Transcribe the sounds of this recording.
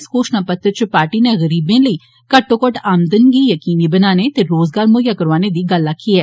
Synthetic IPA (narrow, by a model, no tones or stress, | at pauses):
skoːʃnapɐt̪ːət͡ʃpaːɾʈineɣɐɾiːbẽləi | kɐʈːokəʈaːmd̪ənɡijɐkiːnibɐnaːnet̪eɾoːzɡaːɾmoːjakɐɾʋaːned̪iɡalːakiɛː